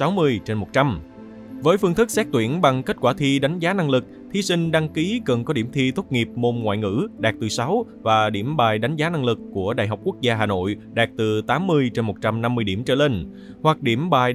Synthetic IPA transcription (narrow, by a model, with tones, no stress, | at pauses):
sa˨˦wmɨ˧əjt͡ɕe˧nmo˨˩t̚t͡ɕa˧m | vəː˨˦jfɨ˧ŋt̪ʰɨ˦˥k̚sɛ˦˥t̪wḭ˧˩ənɓa˨˩ŋke˦˥t̚kwaː˧˩t̪ʰi˧ɗa˨˦jŋ̟zaː˨˦na˧ŋlɨ˨˩k̚t̪ʰi˧sï˧ŋ̟ɗa˧ŋki˨˦kə˨˩nkɔ˨˦ɗi˧˩əmt̪ʰi˧t̪ʰʊ˦˥k͡p̚ŋi˨˩əp̚mo˧nŋwa̰ː˧˨jŋɨ̰˧˥ɗaː˨˩k̚t̪ɨ˨˩sa˨˦w | vaː˨˩ɗi˧˩əmɓaː˨˩jɗa˨˦jŋ̟zaː˨˦na˧ŋlɨ˨˩kːu˧˩əɗa̰˧˨jɦa˨˩wk͡p̚ku˦˥ək̚zaː˧ɦaː˨˩no̰˧˨jɗaː˨˩k̚t̪ɨ˨˩t̪aː˨˦mːɨ˧əjt͡ɕe˧nmo˨˩t̚t͡ɕa˧mna˧mːɨ˧əjɗi˧˩əmt͡ɕə̰ː˧˩le˧n | hwa˨˩k̚ɗi˧˩əmɓaː˨˩j